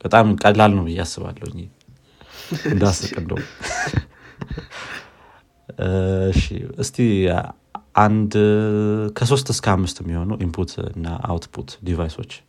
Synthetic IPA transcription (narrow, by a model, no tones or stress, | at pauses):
b̥ət̪ʼamkʼəlalnəwɨjasːɨβa̰lːə̰wɨɲːi | ɨnd̪asɨkʼɨnd̪ə̰w | ɨʃḭɨst̪ʰi | ʔand̪ | kʰəs̬o̞st̪ɨskʰəhamːɨst̪ɛmːiho̞nəwʔimpʰut̪ʰɨ̰nːa̰ʔa̰wt̪pʰut̪d̪ivajso̞t͡ʃː